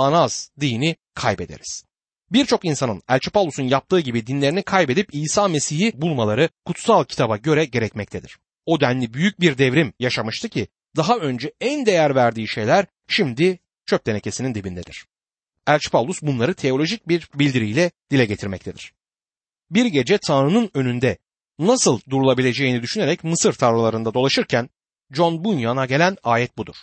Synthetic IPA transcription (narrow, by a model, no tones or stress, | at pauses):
anaz̥d̪ijni | kʰajbe̞d̪e̞̰ɾiz̥ | biɾt͡ʃʰo̞kinsanɯnælʲt͡ʃʰi̥pavlˠusunjap̚t̪ʰɯːɟibid̪inlʲeɾinikʰajbe̞d̪ipiːsaːme̞siɦibulˠmalˠaɾɯkʰut̪salˠcʰi̥t̪ʰabaɟø̞ɾɛɟe̞ɾɛcmɛct̪ʰed̪iɾ̥ | o̞d̪ænlːʲibyjyc̚biɾd̪ɛvɾimjaʃamɯʃt̪ʰɯcʰi | d̪aɦaø̞nd͡ʒɛænd̪e̞jæɾvæɾd̪iːʃe̞jlʲæɾ | ʃimd̪i | t͡ʃʰøp̚t̪ee̞cʰe̞sinind̪ibind̪ɛd̪iɾ̝̥ | ælʲt͡ʃpʰavlˠusbunlˠaɾɯt̪ʰe̞o̞lʲo̞ʒic̚biɾbilʲd̪iɾijlʲɛd̪̥ilʲɛɟe̞t̪ʰiɾmɛc̚t̪ʰed̪iɾ̥ | biɾɟe̞d͡ʒɛt̪ʰanɾɯnɯnø̞nynd̪ɛ | nasɯlˠd̪uɾulˠabilʲe̞d͡ʒe̞jinid̪yʃyneɾɛcmɯsɯɾt̪ʰavlˠalˠaɾɯnd̪ad̪o̞lˠaʃɯɾcʰæn | d͡ʒo̞nbunjanaɟe̞lʲænaːjɛt̪̚bud̪uɾ̥